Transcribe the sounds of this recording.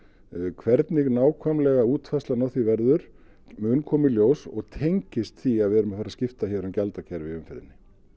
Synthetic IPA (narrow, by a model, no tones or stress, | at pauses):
kʰvɛɾt̪nɪɣnaːwkʰvœmlɛɣauːt̪fastlanɔθivɛɾðʏɾ̥ | mʏnkʰɔːmɪljoːwsɔ̰ɣt̪ʰejɲcɪst̪θiaðvɛɾʏmafaɾaðscɪft̪açɛɾamcɛlt̪acʰɛɾvɪʏmfɪðnːɪ